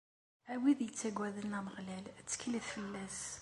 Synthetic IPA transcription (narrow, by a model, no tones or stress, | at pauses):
æwiðjət͡sːæɡwæðənæməʁlælæt͡sːə̥kləθfəlːæs